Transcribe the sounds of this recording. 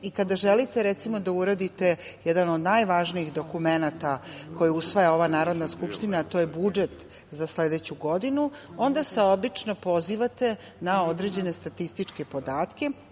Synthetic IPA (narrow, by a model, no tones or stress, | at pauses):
ikad̪aʒelit̪e̞ɾɛt̪simo̞d̪auɾad̪it̪e̞jɛd̪ano̞d̪najʋaʒniiɣd̪o̞kumenat̪ako̞jiusʋojao̞ʋanaːɾo̞d̪naskupʂt̪inaːt̪o̞ːjebud͡ʒet̪ | zasled̪et͡ɕuɡo̞d̪inuo̞nd̪ase̞o̞bit͡ʂno̞po̞ziːʋat̪e̞ | nao̞d̪ɾe̞d͡ʑe̞ne̞st̪at̪ist̪it͡ʂke̞po̞d̪aːt̪ke̞